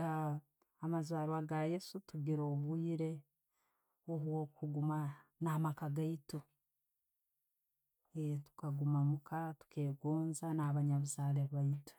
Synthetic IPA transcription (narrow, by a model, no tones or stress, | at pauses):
a | amazaːɾwaɡaje̞sutuɡiɾo̞ːβwiːɾe̞ | oβwo̞kuɡumanaːmakaɡaito | etu̥kaɡumamukʰatu̥ke̞ːɡoːnzanaːβaɲaβuzaːleβaito̥